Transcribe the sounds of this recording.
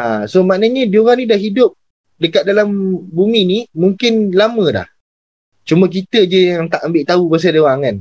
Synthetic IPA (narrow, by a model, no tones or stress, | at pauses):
ʔasomaʔnəɲədioɣaŋnĩdahɦidʊp̚ | dəkat̪̚dalambuminimuŋkɪnlamə̃da̰h | t͡ʃumək̬it̪əd͡ʒəjaŋt̪aʔambɪʔt̪aubas̬adəwaŋan